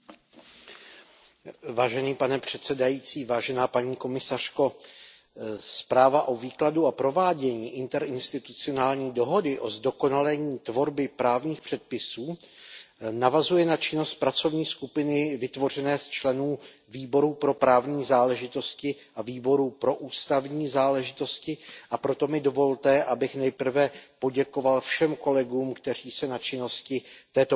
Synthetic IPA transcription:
vaːʒɛniːpanɛpr̝̥ɛt̪sɛdajiːt͡siːvaːʒɛnaːpaɲiːko̞mɪsar̝̥ko̞ | spɾaːvaʔo̞viːkladuapɾo̞vaːɟɛɲiːʔɪnt̪ɛɾɪnst̪ɪt̪ut͡sɪo̞naːlɲiːdo̞ɦo̞dɪʔo̞zdo̞ko̞nalɛɲiːt̪vo̞ɾbɪpɾaːvɲiːxpr̝̥ɛt̪̚pɪsuː | navazujɛnat͡ʃɪno̞st̪̚pɾat͡so̞vɲiːskupɪnɪvɪt̪vo̞r̝ɛnɛːst͡ʃlɛnuː | viːbo̞ɾuːpɾo̞pɾaːvɲiːzaːlɛʒɪt̪o̞scɪʔaviːbo̞ɾuːpɾo̞ʔuːst̪avɲiːzaːlɛʒɪt̪o̞scɪʔapɾo̞t̪o̞mɪdo̞vo̞lt̪ɛʔabɪxnɛjpr̩vɛpo̞ɟɛko̞valfʃɛmko̞lɛɡuːmkt̪ɛr̝iːsɛnat͡ʃɪno̞scɪt̪ɛːt̪o

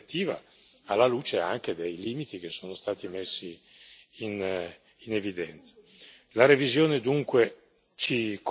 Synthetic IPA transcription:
t̪ːiːva̰alːaluːt͡ʃea̰ŋk̟ed̪ejliːmit̪ik̟esːoːnost̪aːt̪imesːiː | n | inevid̪ɛnt̪sḁ | laɾevizjoːned̪uŋkwe | t͡ʃik

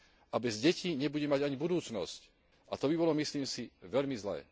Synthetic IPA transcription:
ʔabɛzɟɛciɲɛbuɟɛmaɟaɲibud̪uːt͡snɔ̰sc | ʔat̪ɔbibɔlɔmisliːmsiʋɛʎmizlɛ̰ː

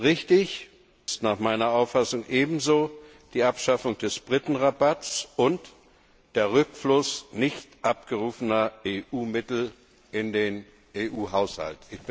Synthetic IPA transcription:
ʁɪçtɪç | ɪstnaːχmaɪnɐaʊfasʊŋʔeːbm̩zoː | d̥iːʔapʃafʊŋdɛsb̥ʁɪtn̩ʁabatsʔʊnt | d̥eːɐʁʏkflʊsnɪçtʔap̚ɡ̥əʁuːfənɐʔeːʔuːmɪtl̩ | ʔɪndeːn | ʔeːʔuːɦaʊsha̰ltɪç̥

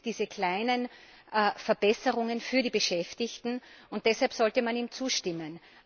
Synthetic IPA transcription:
d̥iːzəkʰl̥aɪnənː | fɛɐb̥ɛsəʁʊŋənfyːɐɾiːbəʃɛftɪçtn̩ʊnt̚d̥ɛshalpsɔltəmaniːmt͡suːʃtɪmən

